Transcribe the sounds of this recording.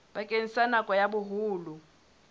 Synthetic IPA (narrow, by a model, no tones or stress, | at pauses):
ɓakʼenisanakʼɔjaɓuɦuːlu